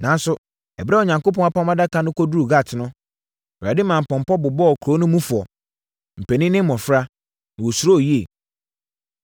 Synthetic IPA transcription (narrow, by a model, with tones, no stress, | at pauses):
nã˨n˦sʊ˨ | ɛ˨bɾɛ˦ɔ˨ɲã˨ŋko˦p̬ʰɔ̃˨˦a˨pʰã˦mã˦da˦kʰa˨nʊ̃˦kʰɔ˦du˦u˨ɡa˦˨tʰɪ˨nʊ̃˦˨ | bɾa˨dɪ˦mã˨m̩˨pɔ̃˨m˨pɔ˦bʊ˨bɔ˦ɔ˨kʰɾo˨˦nʊ̃˦mũ˦fʊ˨ɔ˨ | m̩˨pʰɛ˨nɪ̃˦nɪ̃˦m˦mɔ̃˨fɾa˦ | nã˨wɔ˨su˨˦o˦˨ji˦e˨